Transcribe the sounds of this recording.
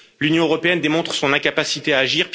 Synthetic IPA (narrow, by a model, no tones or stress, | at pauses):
lynjɔ̃øʁɔpeɛnd̪emɔ̃t̪χə̥sɔ̃nɛ̃kapasit̪eaːʒiːʁp